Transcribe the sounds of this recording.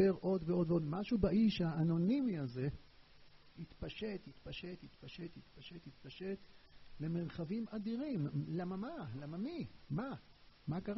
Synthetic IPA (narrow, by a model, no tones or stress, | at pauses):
eʁʔo̞d̪veo̞d̪veo̞d̪maʃubaʔiʃhaːno̞nimiaze̞ | hit̪paʃe̞t̪hit̪paʃe̞t̪hit̪paʃe̞t̪hit̪paʃe̞t̪hit̪̚paʃe̞t̪le̞meʁχavimad̪iʁimlamamalamamimamakaʁ